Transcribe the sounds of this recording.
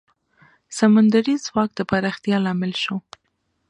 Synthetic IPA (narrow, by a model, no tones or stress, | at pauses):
samand̪aɾizwɑk̚d̪əpaɾɑxt̪jɑlɑmɪlʃo